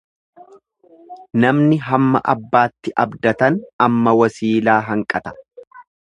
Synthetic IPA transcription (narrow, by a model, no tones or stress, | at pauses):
nɐmnɪɦɐmːɐ̰ʔɐ̰bːaːt̪ːɪʔɐbd̪ɐt̪ɐnɐmːɐwɐsiːlaːɦɐŋkʼɐt̪ɐ̥